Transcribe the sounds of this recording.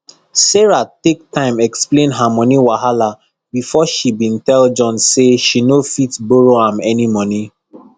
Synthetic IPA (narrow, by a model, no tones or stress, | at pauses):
sɛɹatek̚tʰãɪ̃mɛksplẽnɦamɔ̃niwaɦala | bifɔʃibĩntɛld͡ʒɔ̃nseʃinofitboɹoãmɛnimɔni